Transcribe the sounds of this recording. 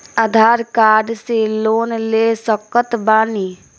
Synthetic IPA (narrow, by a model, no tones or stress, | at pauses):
əd̪ʱaːɾkaːɾɖseloːnlesɔkət̪baːniː